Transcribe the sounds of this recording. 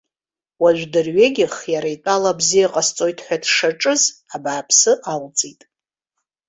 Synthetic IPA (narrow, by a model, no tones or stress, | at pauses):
waʒᶣʷdɨrɥeɡʲɪχjaɾaitʷʼalabzijaqʼast͡sʼo̞jtʰʼħʷᶣadʰʂaʈ͡ʂʼɨzabaːpʰsɨʔalt͡sʼitʼ